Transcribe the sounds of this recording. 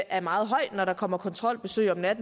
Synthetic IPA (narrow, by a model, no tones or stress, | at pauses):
æɐmɑ̈ːð̞̩ˠɦɒ̽ɪ̰d̥nɒɾ̥ɑ̈kʰɒ̽m̰ɐkʰɒ̽nt͡sʰʁɒ̽l̰b̥e̝sø̰ɪ̰ɒ̽mnæd̥n̩